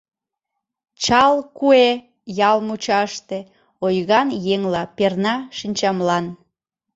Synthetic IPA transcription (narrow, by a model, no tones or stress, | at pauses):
t͡ɕɑlkue | jɑlmut͡ɕɑʃt̪e | ojɣɑnjeŋlɑpernɑʃinʲt͡ɕɑmlɑn